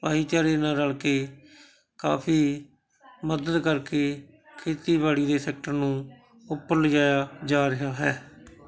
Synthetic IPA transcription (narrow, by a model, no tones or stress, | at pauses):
paːiːt͡ʃaːɾeːnãːɾəlkeː | ka̰ːpʰiː | məd̪əd̪kəɾkeː | kʰeːt̪iːbaːɽiːd̪eːsɛːk̚ʈəɾnũː | ʊpːəɾləd͡ʒaːjaːd͡ʒaːɾɪɦaːɦɛː